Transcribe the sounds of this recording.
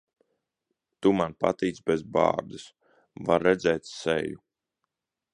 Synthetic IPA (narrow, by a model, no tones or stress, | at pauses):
t̪umanpa̰t̪iːt̪sbɛzbɑ̰ːɾd̪ɨs | vaɾːɛd̪zʲɛːt̪sɛ̰ju